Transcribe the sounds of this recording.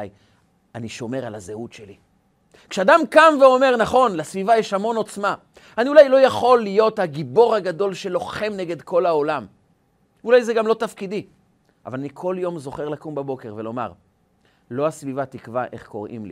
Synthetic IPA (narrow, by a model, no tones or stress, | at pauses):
j | aniʃo̞me̞ʁalazeut̪ʃeli | kʃead̪amkamveo̞me̞ʁnaχo̞nlesvivajeʃhamo̞no̞t͡sma | aniulajlo̞jaχo̞lːijo̞t̪haɡibo̞ʁhaɡad̪o̞lʃe̞lo̞χe̞mneɡe̞d̪kʰo̞lao̞lam | ulajzeɡamlo̞t̪afkid̪i | ʔa̰valanikʰo̞ljo̞mzo̞χeʁlakumbabo̞keʁve̞lo̞ma̰ʁ | lo̞asvivat̪ikvaʔe̞̰χko̞ʁḭmlḭ